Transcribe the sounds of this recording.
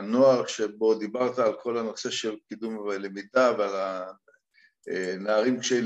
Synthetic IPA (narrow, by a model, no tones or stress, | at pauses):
no̞aʁʃebo̞d̪ibaʁt̪aːlko̞lano̞se̞ʃelkid̪umvelemid̪aveala | enaaʁimkʃe